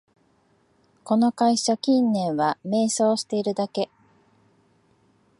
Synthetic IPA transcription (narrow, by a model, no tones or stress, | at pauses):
ko̞no̞kaiɕakʲĩnːẽ̞ɰ̃βame̞ːso̞ːɕi̥t̪e̞iɾɯ̟d̪ake̞